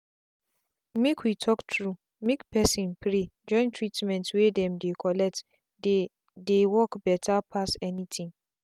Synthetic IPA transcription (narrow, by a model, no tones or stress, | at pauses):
mekʰwitʰɔktʰɹu | mekpʰɛsĩnpʰɾed͡ʒɔ̃ɪ̃ntʰɹitmɛ̃ntwedɛ̃mdekʰɔlɛk̚t | de | dewɔkbɛtʰapʰasɛnĩtʰĩŋ